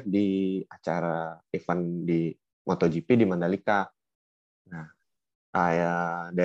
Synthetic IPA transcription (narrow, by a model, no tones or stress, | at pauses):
t̚diat͡ʃaɾaefandi | mʔɔt̪ɔd͡ʒipidimandalika | na | ajada